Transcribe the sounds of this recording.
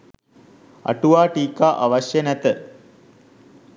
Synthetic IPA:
a̰ʈuʋaːʈiːkaːʔaʋaɕjənæt̪ə

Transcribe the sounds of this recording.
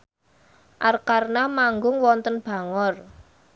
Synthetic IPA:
ʔarkarnamaŋɡʊŋwɔnt̪ənb̥a̤ŋɔr

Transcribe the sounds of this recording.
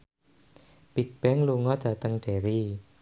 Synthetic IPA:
b̥ik̚b̥ɛŋluŋɔd̪̥a̤t̪əŋɖ̪̥e̤ɾi

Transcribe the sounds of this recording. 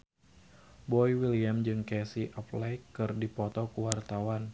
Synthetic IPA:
bɔjwiliamd͡ʒɨŋkɛsiʔɔplɛjkːɨrdipɔt̪ɔkuwart̪awan

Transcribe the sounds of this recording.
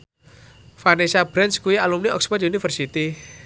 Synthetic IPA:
fanesab̥ɾɛnskuialumniɔ̰ksbɔd̪unifərsit̪i

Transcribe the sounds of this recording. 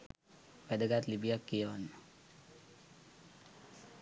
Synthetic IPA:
ʋɛd̪əɡat̪libijakːijəʋanːə

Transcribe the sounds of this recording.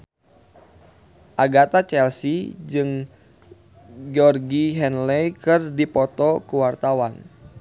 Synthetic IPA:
ʔaɡat̪at͡ʃɛlsid͡ʒɨŋ | ɡɔrɡiɦɛnlɛjkɨrdipɔt̪ɔkuwart̪awan

